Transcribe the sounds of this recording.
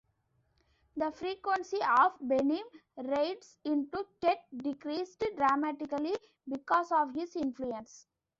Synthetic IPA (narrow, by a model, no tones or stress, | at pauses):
d̪əfɾiːkʋə̃ɳsiɔːʋbenĩːmɾeɪʈsɪ̃ɳʈukeʈ̚ɖɪkɾiːsʈɖɾamæʈɪkəli | bɪkɔːsɔːʋɦɪzɪ̃nfluə̃ns